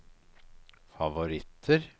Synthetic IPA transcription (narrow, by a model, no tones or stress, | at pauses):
fɑʋʊɾɪt̪ʰəɾ